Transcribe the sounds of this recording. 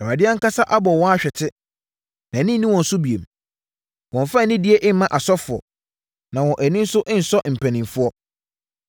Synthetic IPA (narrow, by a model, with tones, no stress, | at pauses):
ɛ˨a˨dɪ˦a˦ŋ̩˦ka˦sa˦ʔa˦bɔ˨wɔ̃˦a˦ɕᶣɛ˨tʰɪ˦ | nã˨˦nĩ˦nĩ˦wɔ̃˨n̩˨sʊ˦bi˨e˨m | wɔ̃˨ɱ˨fa˦˨nɪ̃˦dɪ˦e˦ʔɪ˦mã˦ʔa˨sɔ˦fʊ˨ɔ̰˨ | nã˨wɔ̃˨ʔæ˨nĩ˦n̩˦sʊ˦ʔɪ̃˦n̩˨sɔ˦ʔm̩˨pʰæ̃˨nĩ˨mfʊ˦ɔ˦